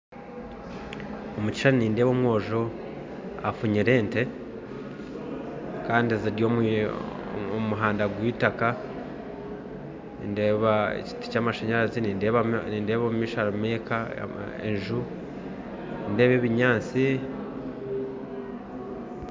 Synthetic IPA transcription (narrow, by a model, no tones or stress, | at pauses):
omuci̥ʃaniniːndeβoːmwo̞ːʒo̞ | afuɲiɾe̞ːnte̞ | kaːndieziɾjoːm | omuɦaːndaɡwiːtaka | nindeβaḛci̥ti̥caːmaʃeɲaɾaziniːndeβaniːndeːβomumiːʃaɾameka̰ | ḛnʒu | ninde̞ːβe̞ːβiɲaːt͡si